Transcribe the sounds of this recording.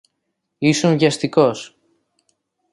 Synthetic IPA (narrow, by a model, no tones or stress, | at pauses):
isoɱʝɐst̪ikos